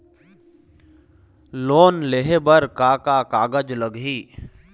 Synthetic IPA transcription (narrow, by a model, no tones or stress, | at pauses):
loːnleːɦebəɾkaːkakaːɡəd͡ʒləɡɦiː